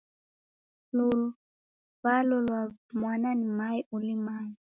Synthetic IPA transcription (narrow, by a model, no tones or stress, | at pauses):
lulu | βalɔlwamwananimaiʔulimaːji